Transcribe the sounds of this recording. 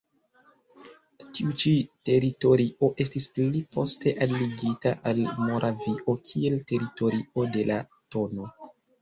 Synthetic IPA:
tiut͡ʃite̞ɾito̞ɾiʔo̞ʔe̞stisplipo̞stʰe̞ʔalːiɡitaʔalmo̞ɾʔaviʔo̞kʰie̞lte̞ɾito̞ɾio̞de̞la | to̞no̞

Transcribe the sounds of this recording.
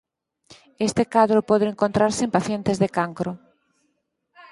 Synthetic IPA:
est̪ekaðɾopɔðeeŋkont̪ɾaɾsempaθjent̪ezðekaŋkɾo

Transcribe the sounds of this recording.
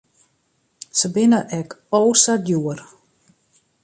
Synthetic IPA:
səbɪnəʔɛkoːsadjuər

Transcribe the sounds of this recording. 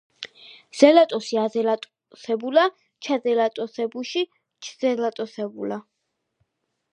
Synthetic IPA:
z̥ɛlat̪ʼɔsiazɛlat̪ʼ | sɛbula | t͡ʃʰazɛlat̪ʼɔsɛbuʃi | t͡ʃʰzɛlat̪ʼɔsɛbṵla

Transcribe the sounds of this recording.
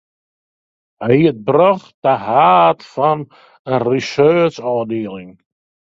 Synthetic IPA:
əiət̚brɔχdəhaːtfɔn | ənrisøːsɔːdeːəlˠɪŋ

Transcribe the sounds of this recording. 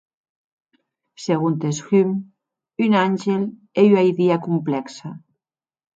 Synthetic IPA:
seɣunt̪esxym | ynanʲʒel | eyajðiakumplɛksa

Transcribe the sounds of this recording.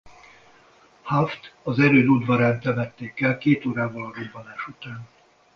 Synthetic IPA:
haft̪ɒzɛɾøːnud̪vɒɾaːnt̪ɛmɛt̪ːeːkɛlkeːt̪oːɾaːbɒlɒɾob̪bɒnaːʃut̪aːn

